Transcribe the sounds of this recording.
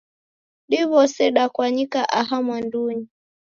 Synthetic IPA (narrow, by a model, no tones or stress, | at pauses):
ɗiβɔsɛɗakwaɲikaʔaɦamwanduɲi